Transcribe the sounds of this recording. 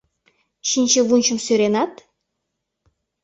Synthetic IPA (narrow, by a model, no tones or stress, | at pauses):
ʃinʲt͡ɕeβunʲt͡ɕə̆msøɾenɑt̪